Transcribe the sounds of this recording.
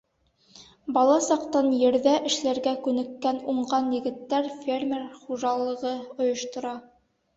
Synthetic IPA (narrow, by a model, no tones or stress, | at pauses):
bɑlˠɑsɑqt̪ɑnjɘ̆ɾðæʔɘ̆ʃlæɾɡækʉnɘ̆kːænuɴʁɑnjɘ̆ɡɘ̆t̪ːæɾfʲermʲerχuʒɑlˠɤ̆ʁɤŏjŏʃt̪ŏɾɑ